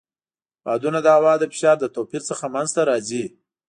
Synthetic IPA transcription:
bɑd̪unad̪əawɑd̪əfɪ̥ʃɑɾd̪ət̪opiɾt͡səxamanzt̪aɾɑzi

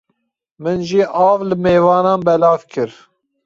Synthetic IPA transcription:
mɨnʒiʔɑːvlɨmeːvɑːnɑːnbɛlɑːvkʰɨɾ

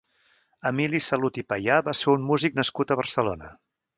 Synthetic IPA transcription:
əmilisəlut̪ipəjabaseummuzik̚nəskut̪əβ̞ərsəlo̰nə

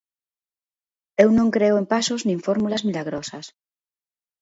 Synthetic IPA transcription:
ewnõŋkɾeoempasoznĩɱfoɾmulazmilaɣ̞ɾosas

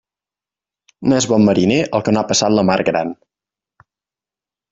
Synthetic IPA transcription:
noɛzβɔmːəɾineʔəlˠkənapəsat̪ləmaɾɡɾa̰n

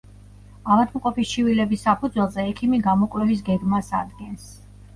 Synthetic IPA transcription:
amat̪ʰmqʼɔpist͡ʃʰivilɛbisːapʰud̪zwɛlˠzɛɛkʰimiɡamɔkʼvlɛvis̬ɡɛɡmasa̰d̪ɡɛns

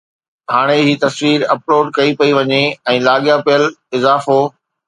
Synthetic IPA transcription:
haːɽ̃ed͡ʑiːt̪ɐsʋiːɾɐploːɖkɐipɐiʋɐɲeɛ̃ːlaːɠjapɪjəlɪzaːfoː

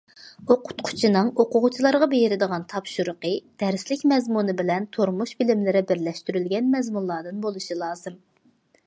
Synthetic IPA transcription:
oqʰʊ̥t̪qʰʊ̥t͡ʃʰinɨŋoqʊʁʊt͡ʃʰilˠɑɾʁɑbejɪɾɪd̪əʁɑnt̪ʰɑpʃuɾʊqəd̪̥ɛɾslɪkʲmɛzmunɨbɪlɛnt̪ʰoɾmuʃbɪlɪmlɪɾɪbɪɾlɛʃt̪yɾylɡʲɛnmɛzmunlˠɑd̪ɨnbolˠuʃilˠɑːzɨm

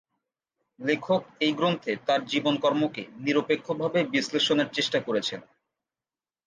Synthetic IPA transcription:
lekʰok̚ejɡɾont̪ʰet̪aɾd͡ʑibonkɔɾmokeniɾopekʰːobʱabebisleʃoneɾt͡ɕeʃʈakoɾet͡ɕʰen

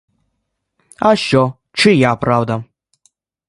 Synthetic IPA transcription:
aɕɔ | t͡ʃɨjapravd̪a

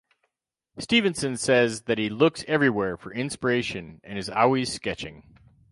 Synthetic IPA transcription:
stivɨ̃nsɨ̃nsɛzðɨt̚hilʊksɛvɹiwɛɹfə˞ɪ̃nspə˞eɪʃɨ̃nɨ̃nɨzɔ̰lˠwiz̥skɛt͡ʃɪ̰̃ŋ

